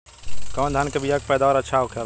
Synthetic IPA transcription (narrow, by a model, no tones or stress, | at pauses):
kɔːnd̪ʱankebʱijak̚pɛːd̪aɔːɾɐtːʃʰaɦokʰa